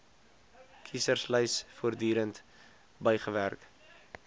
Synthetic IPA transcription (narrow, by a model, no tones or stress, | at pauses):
kʰisərsləjsfuərdyːɾənt | bəjχəværk